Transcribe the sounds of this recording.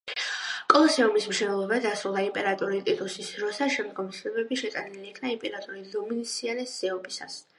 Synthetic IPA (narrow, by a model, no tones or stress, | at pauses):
kʼɔlˠɔsɛɔmismʃɛnɛlˠɔbad̪asɾulˠd̪aimpʼɛɾat̪ʼuɾit̪ʼit̪ʼusisd̪ɾɔsaʃɛmd̪ɡɔmsʰlɛbɛbiʃɛt̪ʼaniliːkʰnaimpʼɛɾat̪ʼuɾid̪ɔminisianɛsɛɔbisa̰s